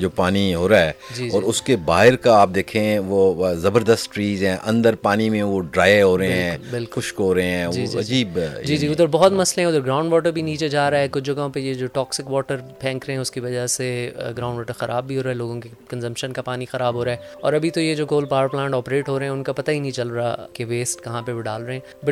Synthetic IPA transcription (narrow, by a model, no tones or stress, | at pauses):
d͡ʒoːpaːniɦoːɾaɦɛːd͡ʒiːɔːɾʊskebaːɦɪɾkaaːp̚d̪eːkʰẽʋozɐbəɾd̪əst̪t͡ʃiːzɦɛ̃ːʔɐ̃nd̪əɾpaːnimẽʋoɖɾaːeɦoːɾɐɦẽɦɛ̃bɪlkkʊʃkɦoːɾɐɦẽɦɛ̃ːid͡ʒɐ̰d͡ʒiːbd͡ʒiːd͡ʒiːʊd̪əɾbɔɦɔt̪mɐslẽɦɛ̃ʊd̪əɾɡɾãːʊ̃ɳɖʋɔːʈ̬əɾbʱiniːt͡ʃed͡ʒaːɾaɛkʊt͡ʃʰd͡ʒɐɡaõpejed͡ʒoːʈɔːksɪkʋɔːʈəɾpʰɛ̃ːŋkɾɐɦɛ̃ʊskiʋɐd͡ʒaɦseɡɾãːʊ̃ɳɖʋɔːʈəɾxɐɾʔaːbːʱiɦoːɾaɦɛloːɡõke | kɐ̃nzɐ̃mpʃənkapaːnixɐɾaːbɦoːɾaːɦɛɔ̰ːɾɐbʱit̪ojed͡ʒoːkoːlpaːɾplãːɳʈɔːpɾeːʈɦoːɾɐɦɛ̃ʊnkapɐt̪aɦinĩt͡ʃɐlɾakeʋeːsʈkɐɦãpebʱiɖaːlɾɐɦeɛ̃ | bɐ